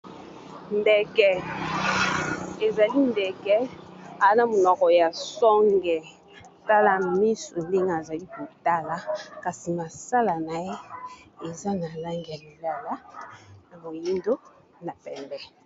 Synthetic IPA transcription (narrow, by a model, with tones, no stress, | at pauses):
ndɛ˨kɛ˨ | e˨za˨li˦ndɛ˨kɛ˦a˨˦na˦mo˨nɔ˨kɔ˨ja˨sɔ˦ŋɡɛ˨ | ta˦la˦mi˦so˨le˦ŋɡa˨a˨za˨li˦ko˨ta˦la˦ka˨si˨ma˨sa˦la˨na˨je˦e˨za˦na˨la˦ŋɡi˨ja˨li˨la˦la˦na˨mo˨ji˦ndo˦ | na˨pɛ˨mbɛ˦